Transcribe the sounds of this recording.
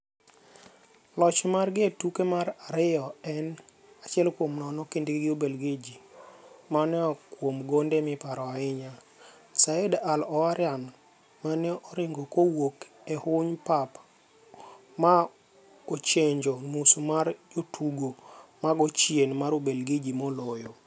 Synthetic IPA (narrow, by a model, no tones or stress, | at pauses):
lɔt͡ʃmarɡɪetukemaɾaɾɪɔɛn | at͡ʃɪɛlkwomnɔnɔkendɡɡɪobelɡed͡ʒimanɛɔkwomɡondemɪpaɾɔaɪɲa | saedalɔaɾjan | manɛɔɾɪŋɡokowok | ehʊɲpap | ma | ot͡ʃeɲd͡ʒɔmusomaɾd͡ʒotʰuɡomaɡɔt͡ʃjenmaɾobelɡed͡ʒimɔlɔjo